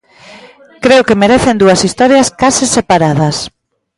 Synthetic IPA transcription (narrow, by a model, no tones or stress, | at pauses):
kɾeʊkemeɾeθend̪uɐsist̪ɔɾjɐskasisepaɾaðɐs